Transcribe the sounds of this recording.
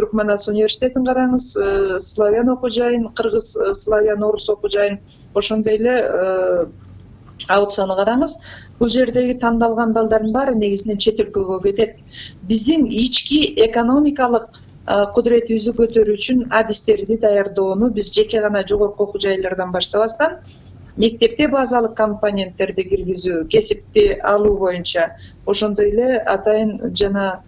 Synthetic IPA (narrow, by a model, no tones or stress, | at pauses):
t̪ʰyɾkmanasunʲivʲe̞rsi̥t̪ʲe̞t̪iɴqʰɑɾɑɴɯzəslˠavʲano̞qud͡ʒɑjɯnqʰɯɾʁɯzslˠavʲano̞ɾuso̞qud͡ʒɑjɯn | o̞ʃo̞nd̪o̞jele̞ə | aut̪sanɯqʰɑɾɑɴɯzb̥ulˠd͡ʒe̞ɾd̪e̞ɡit̪ʰɑnd̪ɑlˠʁɑnbɑlˠd̪ɑɾd̪ɯnbɑɾɯne̞ɡizine̞nt͡ʃʰe̞t̪elkøɡøke̞t̪e̞t̪̚bizd̪init͡ʃkiʔe̞ko̞no̞mʲikɑlˠɯq̚ | qʰːud̪ɾe̞t̪iβizd̪ykø̞t̪ø̞ɾyyt͡ʃynad̪ist̪e̞ɾd̪id̪ɑjɑɾd̪o̞ːnubizd͡ʒe̞ke̞ʁɑnɑd͡ʒo̞ʁo̞ɾquoqud͡ʒɑjlˠɑɾd̪ɑnbɑʃt̪ɑβɑst̪ɑn | me̞k̚t̪e̞p̚t̪e̞bazɑlˠɯq̚komponʲent̪ːe̞ɾd̪iɡiɾɡizyːke̞sip̚t̪iɑlˠuːβo̞junt͡ʃɑ | o̞ʃo̞nd̪o̞je̞le̞ɑt̪ɑjɯnd͡ʒɑnɑ